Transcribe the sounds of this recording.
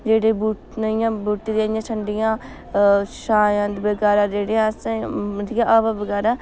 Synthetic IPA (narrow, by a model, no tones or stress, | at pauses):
d͡ʒeːɽeːbuː | nəijãːbuːʈiːd̪ejãːt͡ʃʰəɳɖɪjãː | ʃaːjãːd̪ibəɡɛːɾaːd͡ʒeːɽeːãsãɾijãːʔabaːbəɡɛːɾaː